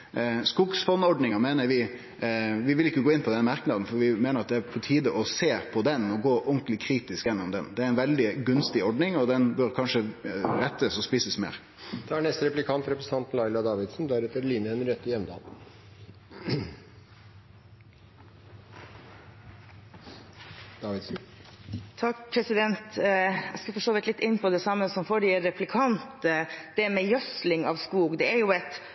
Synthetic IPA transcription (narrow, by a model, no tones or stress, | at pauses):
skʊksfɔnːɔɖnɪŋɑmeːnəɾʋɪ | ʋɪʋɪlɪkːəɡoːɪnpʰɔd̪ɛnmɑɾknɑd̪n̩fɔɾʋɪmeːnəɾɑt̪d̪ɛæpʰɔt̪ʰiːd̪əʔɔseːpʰɔd̪ɛnɔɡoːʔɔŋklɪkʰɾiːt̪ɪskjɛnːʊmd̪ɛ̰nd̪ɛæɾɛnʋɛld̪ɪɡʉnst̪ɪɔɖnɪŋɔd̪ɛnbœɾkʰɑnʂəɾɛt̪ːəsɔspiːsəsmḛːɾ | d̪̥ɛæɳɛst̪ɾɛplɪkʰɑnt̪ɾɛpɾəsə̥n̩ɑnt̪n̩lɑɪlɑd̪ɑːʋɪd̪sn̩d̪æɾɛt̪ːəɾliːnəhɛnəɾɛt̪ːəjɛmd̪ɑ̰ːl | d̪̥ɑːʋɪd̪sn̩ | t̪ʰɑk̚pʰɾɛsɪd̪ɛnt̪æskɑfɔʂoːʋɪt̪lɪt̪ːɪnːpʰɔd̪ɛsɑmːəsɔmfoːɖɪɾɛpʰlɪkʰɑnt̪əd̪̥ɛmɛjœslɪŋɑʋskuːɡd̪ɛæɾjʊɛt̪